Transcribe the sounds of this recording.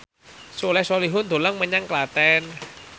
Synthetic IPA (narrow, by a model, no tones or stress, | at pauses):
sulɛhsoliɦʊnd̪̥o̤laŋməɲaŋklat̪ɛn